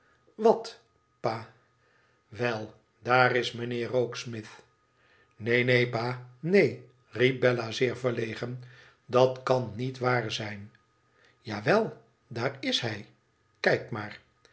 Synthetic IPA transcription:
ʋɑt | paː | ʋɛlˠ | daːrɪsmənɪːɹrowksmɪθ | nejnejpaːnej | rip̚bɛlazɪːɹvəɹlejχən | dɑtkɑnːitʋaːɹzɛjn | jaːʋɛlˠ | daːɹɪsɦɛj | kɛjkmaːɹ

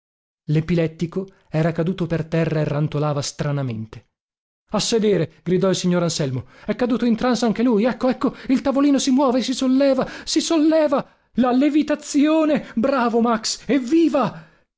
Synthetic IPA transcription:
lepilɛt̪ːiko | ɛːɾakad̪uːt̪opert̪ɛrːaerːant̪olaːvast̪ɾanament̪e̥ | asːed̪eːɾeɡ̥ɾid̪ɔilsiɲːoɾansɛlmoɛkːad̪uːt̪oint̪ɾansaŋk̟elujɛkːoɛkːoilt̪avoliːnosimwɔːvesisolːɛːvasisolːɛːva | lalevit̪at̪sjoːnebɾaːvomaksɛvːiːva

